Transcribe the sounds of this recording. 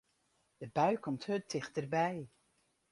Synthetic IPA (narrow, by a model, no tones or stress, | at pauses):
d̥əbœɥkʰɔmthøtɪχtərbɛj